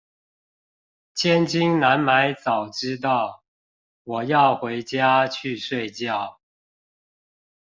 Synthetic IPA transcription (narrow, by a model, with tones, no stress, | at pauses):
t͡ɕʰjɛ˥˦nt͡ɕi˦ŋna˧˦nma˧˦ɪt͡sɑ˨˩ʊʈ͡ʂɻ̩˦t̪̬ɑ˥˨ʊ | wɔ˨˩jɑ˥˨ʊxwe˧˦ɪt͡ɕja˦t͡ɕʰy˥˨ʂwe˥˧ɪt͡ɕjɑ˥˨˩ʊ